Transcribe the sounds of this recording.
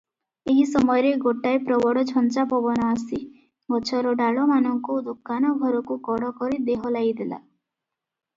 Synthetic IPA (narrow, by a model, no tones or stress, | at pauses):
eɦisɔmɔjɔɾeɡoʈajpɾɔbɔɽɔd͡ʒʰʱɔnt͡ʃapɔbɔnɔasi | ɡɔt͡ʃʰɔɾɔɖaɭɔmanɔŋkud̪okanɔɡʱɔɾɔkukɔɽɔkɔɾid̪eɦɔlajd̪ela̰